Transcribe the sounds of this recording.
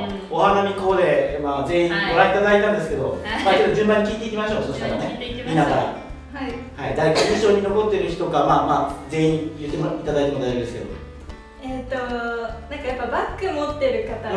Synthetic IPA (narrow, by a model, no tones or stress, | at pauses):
o̞ɦanamʲiko̞ːd̪e̞maːze̞ĩmo̞ɾait̪ad̪ait̪ãnd̪esɨ̥ke̞d̪o̞maːt͡ɕo̞t̪ːod͡ʑɨ̃mbãɲːikʲiːt̪e̞ikʲimaɕoːsooɕi̥t̪kaɾane̞mʲinasaɾa̰ | haid̪aɾekaĩɕo̞ːɲ̟ino̞ko̞t̪ːe̞ɾɯ̟çi̥t̪o̞ɡamaːmaːd͡ze̞hĩjɯt̪ːemit̪ad̪ait̪e̞mod̪ajʑod̪esɨked̪o̰o | et̪ːonãŋkajapːabakːɯ̟mot̪ːe̞ɾɯ̟kat̪a